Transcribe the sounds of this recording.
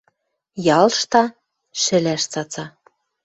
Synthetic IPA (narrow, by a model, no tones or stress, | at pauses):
jɑlʃt̪ɑ | ʃɘ̆læʃt͡sɑt͡sɑ